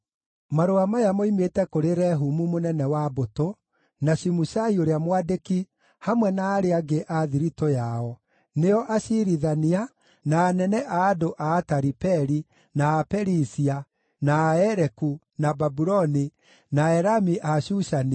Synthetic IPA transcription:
maɾoamajamoimetɛkoɾeɾɛɦumumonɛnɛwaboto | naʃimuʃaioɾeamwadeki | hamwɛnaːɾeaɡeʔaðiɾitojaɔ | neɔʔaʃiɾiðania | naːnɛnɛʔaːdoʔaːtaɾipɛɾi | naːpɛɾisia | naːɛɾɛku | nababuɾɔni | naɛɾamiʔaɕuʃani

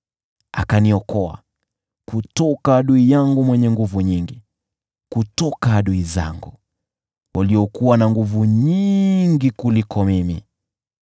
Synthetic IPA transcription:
a̰kaniɔkɔa̰ | kutɔkaːɗuijaŋɡumwɛɲɛŋɡuvuɲiŋɡi | kutɔkaaɗuiza̰ŋɡu | wʔaliɔkuwanaŋɡuvuɲiŋɡikulikʰɔmimḭ

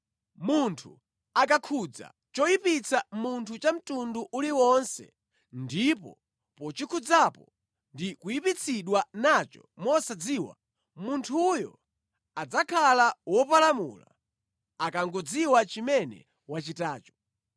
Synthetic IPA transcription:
muntʰu | akakʰud͡za̰ | t͡ʃɔjipit͡sʰamuntʰut͡ʃam̩tunduʔuliwɔnsɛ̰ | ndipɔ̰ | pɔt͡ʃikʰud͡zapɔ | ndikujipit͡sʰiɗwanat͡ʃɔmɔsad͡ziːwa̰ | muntʰujɔ̰ | ad͡zakʰalawɔpalamṵla̰ | akaŋɡɔd͡ziwat͡ʃimɛnɛ̰ | wat͡ʃitaːt͡ʃɔ̥

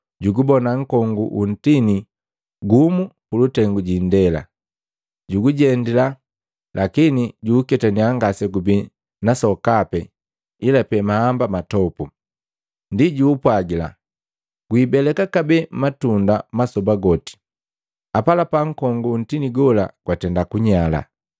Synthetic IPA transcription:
ɟuɡubɔnaŋ̩kɔŋɡuʔun̩tini | ɡumukulutɛŋɡuɟindɛla̰ | ɟuɡuɟɛndila | lʔakiniɟuːkɛtaniaŋɡasɛɡubi | nasɔkapɛ | ilapɛmahambamatɔpu | ndiɟuːpwaɡila̰ | ɡ̥wiːbɛlɛkakabɛmmatundamasɔbaɡɔti̥ | apalapaŋ̩kɔŋɡun̩tiniɡɔla̰kwatɛndakuɲala̰

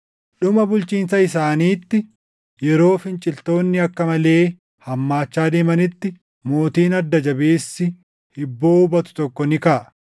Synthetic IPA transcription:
ɗʊmɐbʊlt͡ʃiːns̬ɐɪsaːniːt̪ːɪ | jɛɾo̞ːfɪnt͡ʃʼɪlt̪o̞ːnːɪɐkːɐmɐle̞ː | hɐmːaːt͡ʃːaːd̪eːmɐnɪt̪ːɪ | mo̞ːt̪iːnɐd̪ːɐd͡ʒɐbeːsːɪ | hɪbːo̞ːʊbɐt̪ʊ̥t̪ɔkːɔnɪkɐʔɐ

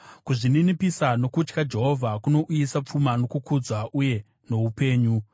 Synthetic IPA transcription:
kuʐininipisano̞kut͡ʃkad͡ʒe̞ɦo̞vʱakuno̞ʔujisap͡fumano̞kukud͡zwaʔuje̞ | no̞upe̞ːɲu

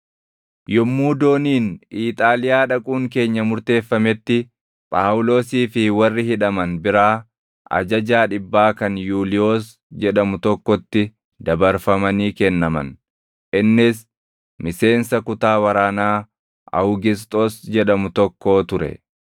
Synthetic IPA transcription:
jɔmːuːd̪o̞ːniːniːt̪ʼaːlɪjaːᶑɐkʼuːŋk̬e̞ːɲːɐmʊɾt̪e̞ːfːɐmɛt̪ːɪ | pʼaːwʊlo̞ːsiːfɪwɐrːɪhɪᶑɐmɐnbɪɾaː | ɐ̰d͡ʒɐd͡ʒaːᶑɪbːaːkɐnjuːlɪjo̞ːs | d͡ʒɛᶑɐmʊt̪ɔkːɔt̪ːɪ | d̪ɐbɐɾfɐmɐniːkɛnːɐmɐ̰n | ʔɪnːɪs | mɪse̞ːnsɐkʊt̪aːwɐɾaːnaː | ɐ̰hʊɡɪs̬t̪ʼoːsd͡ʒɛᶑɐmʊt̪ɔkːo̞ːt̪ʊɾɛ̰

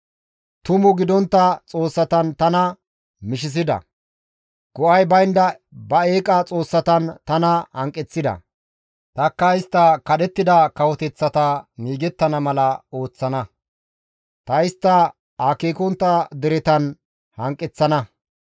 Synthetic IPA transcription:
t̪ʊmʊɡɪd̪ɔnt̪ːɐt͡sʼo̞ːsːɐt̪ɐnt̪ɐnɐ | mɪʃ̬ɪs̬ɪd̪ɐ̰ | ɡ̥ɔʔɐjbɐjnd̪ɐ | bɐe̞ːkʼɐt͡sʼo̞ːsːɐt̪ɐnt̪ɐnɐhɐŋkʼːɛt͡sːɪd̪ɐ̰ | t̪ɐkːɐɪst̪ːɐkɐɗɛt̪ːɪd̪ɐkɐwɔt̪ɛt͡sːɐt̪ɐŋiːɡɛt̪ːɐnɐmɐlɐo̞ːt͡sːɐnɐ | t̪ɐɪst̪ːɐ | akeːkɔnt̪ːɐd̪ɛɾɛt̪ɐn | hɐŋkʼːɛt͡sːɐnɐ

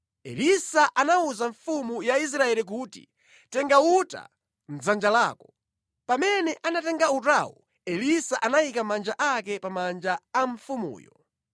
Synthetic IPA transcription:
ɛ̰lisaʔanauzaɱfumujais̬ɾaɛlik̬uːtḭ | tɛŋɡauta̰ | n̩zand͡ʒala̰ːkɔ | pamɛnɛʔanatɛŋɡautawu | ɛlisaʔanajikamand͡ʒaʔakɛpamand͡ʒaaɱfumṵːjɔ

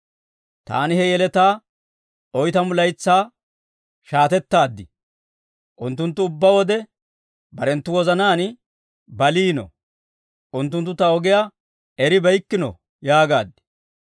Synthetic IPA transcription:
t̪a̰ːnɪhɛjɛlɛt̪aː | ɔjt̪ɐmʊlɐjt͡sːaː | ʃaːt̪ɛt̪ːaːd̪ːɪ̰ | ʔʊnt̪ːʊnt̪ːʊʊbːɐwɔd̪ɛ | bɐɾɛnt̪ːʊwɔzɐnaːn | bɐliːnɔ̰ | ʔʊnt̪ːʊnt̪ːʊt̪ɐɔɡɪja | ɛɾɪbɐjkːɪnɔ̰ | jaːɡaːd̪ːɪ̥

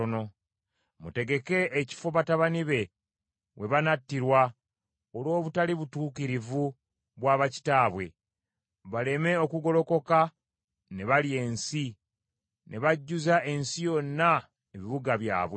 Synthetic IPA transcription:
ono | mute̞ɡe̞ke̞ːci̥fo̞βataβaniβe̞ | we̞βanatːiɾwa | olo̞ːβutaliβutuːkiɾivu | βwaːβaci̥taːβwe̞̰ | βale̞me̞o̞kuɡo̞lo̞ko̞ka | ne̞βalie̞ːnsi | nʔe̞βaɟːuzaʔe̞nsijo̞nːa | eβiβuɡaβja̰ːβwe

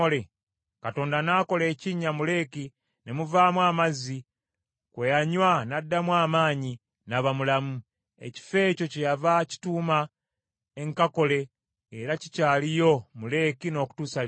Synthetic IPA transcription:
ole | kato̞ːndanaːko̞le̞ːciɲːamule̞ːki | ne̞muvaːmwaːmazi | kwejaɲwanadːamwaːmaːɲi | naβamulamu | ḛci̥fe̞ːco̞cejavaci̥tuːma | eŋkako̞le̞ | eɾacicaːlijo̞mule̞ːkino̞ːku̥tuːsa

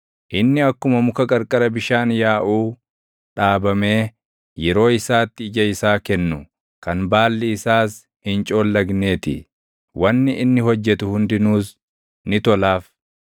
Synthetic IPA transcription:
ʔɪnːɪɐkːʊmɐmʊkɐkʼɐɾkʼɐɾɐbɪʃaːnjaːʔuː | ᶑaːbɐme̞ː | jɛɾo̞ːɪsaːt̪ːɪːd͡ʒɐɪsaːkɛnːʊ | kɐnbaːlːɪɪsaːs | hɪnt͡ʃʼo̞ːlːɐɡne̞ːt̪ɪ̰ | wɐnːɪʔɪnːɪhɔd͡ʒːɛt̪ʊhʊnd̪ɪnuːs | nɪt̪ɔlaːf

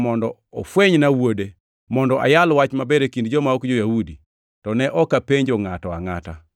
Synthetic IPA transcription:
mɔndɔ | ɔfweɲnawode | mɔndɔʔa̰jalwat͡ʃmabɛɾekindd͡ʒɔmaɔkd͡ʒojahudi | tɔnɛʔɔkapeɲd͡ʒɔŋatɔaŋata

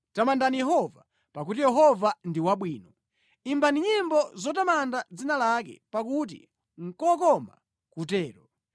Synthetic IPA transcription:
tamandanijɛɦɔva | pak̬ut̬ijɛɦɔvandiwaɓwiːnɔ | imbaniɲimbɔzɔtamandad͡zinalakɛ̰pak̬ut̬ḭ | ŋ̩kɔkɔma̰ | kutɛːɾɔ

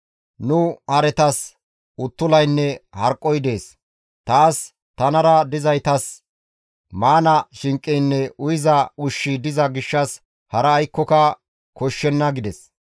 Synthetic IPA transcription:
nʊhɐɾɛt̪ɐs | ʊt̪ːʊlɐjnːɛhɐɾkʼːɔjd̪e̞ːs | t̪aːs | t̪ɐnɐɾɐd̪ɪzɐjt̪ɐs | maːnɐʃɪŋkʼːɛjnːɛʔʊjɪzɐʊʃːɪd̪ɪzɐɡɪʃːɐs | hɐɾɐːjkːɔkɐ | kɔʃːɛnːɐɡɪd̪ɛs

